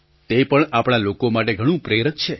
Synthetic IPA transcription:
t̪epəɳapɳ̃alokomaʈeɡʱəɽ̃ũpɾeɾək̪t͡ʃʰe

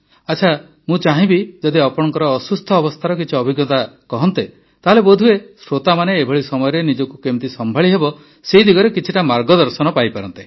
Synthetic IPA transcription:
at͡ʃʰa | mũt͡ʃaɦĩbid͡ʒɔd̪iɔpɔɽɔŋkɔɾɔːsust̪ʰɔːbɔst̪ʰaɾɔkit͡ʃʰiɔbʱiɡɔt̪akɔɦɔnt̪e | t̪aɦalebod̪ʱuesɾot̪amaneːbʱɔɭisɔmɔjɔɾenid͡ʒɔkukemt̪isɔmbʱaɭiɦebɔ | seid̪ʱiɡɔɾekit͡ʃʰiʈamaɾɡɔd̪ɔɾsɔnɔpajpaɾɔnt̪e̥

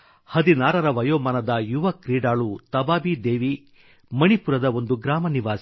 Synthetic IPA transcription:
hɐd̪inaːɾɐɾɐʋɐjoːmɐnɐd̪ɐjuʋɐkɾiːɖaːɭut̪ɐbaːbid̪eːʋi | mɐnipuɾɐd̪ɐo̞nd̪uɡɾaːmɐniʋaːsi

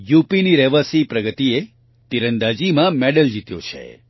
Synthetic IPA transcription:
jupiniɾɛʋəsipɾəɡət̪ie | t̪iɾənd̪ad͡ʒimãmɛɖəld͡ʒit̪jõ̰t͡ʃʰḛ

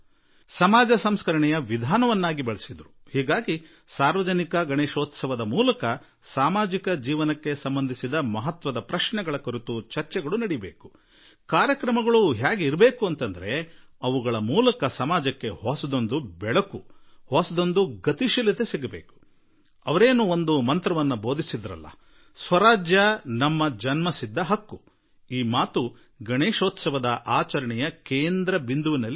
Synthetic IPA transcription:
sɐmaːd͡ʒɐsɐmskɐɾɐɳɛjɐʋid̪ʱaːnɐʋɐnːaːɡibɐɭisid̪ɐɾuhiːɡaːɡi | saːɾʋɐd͡ʒɐnikɐɡɐɳeːʃoːt̪sɐʋɐd̪ɐmuːlɐkɐ | saːmaːd͡ʒikɐd͡ʒiːʋɐnɐkːe̞sɐmbɐnd̪ʱisid̪ɐmɐɦɐt̪ʋɐd̪ɐpɾɐʃɳɛɡɐɭɐkoɾit̪ut͡ʃɐɾt͡ʃɛɡɐɭunɐɽijbeːku̥ | kaːɾjɐkɾɐmɐɡɐɭuɦjaːɡeiɾɐbe̞ːkuɐnt̪ɐnd̪ɐɾe̞ɐʋuɡɐɭɐmuːlɐkɐsɐmaːd͡ʒɐkːe̞ɦosɐd̪o̞nd̪ubɛɭɐkuhosɐd̪o̞nd̪uɡɐt̪iʃilɐt̪esiɡɐbeːku̥ | ɐʋɐɾeːnuo̞nd̪umɐnt̪ɾɐʋɐnːubo̞ːd̪isid̪ɐɾɐ̰lːɐ̰ | sʋɐɾaːd͡ʒjɐnɐmːɐd͡ʒɐnmɐsid̪ːɐɦɐkːu | iːmaːt̪u | ɡɐɳeːʃoːt̪sɐʋɐd̪ɐʔaːt͡ʃɐɾɐɳɛjɐkeːnd̪ɾɐbind̪uʋinɐlːi

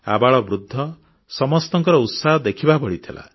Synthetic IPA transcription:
a̰baɭɔbɾud̪ʱːɔ | sɔmɔst̪ɔŋkɔɾɔut̪saɦɔd̪ekʰibabɔɽit̪ʰila̰

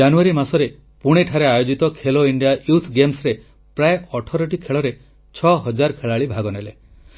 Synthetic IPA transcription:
anuaɾimasɔɾe | puɽ̃eʈʰaɾeajod͡ʒit̪ɔkʰeloiɳɖijaʔjut̪ʰɡemsɾe | pɾaeʔɔʈʰɔɾɔʈ̬ikʰeɭɔɾe | t͡ʃʰɔɦɔd͡ʒaɾkʰeɭaɭibʱaɡɔnele

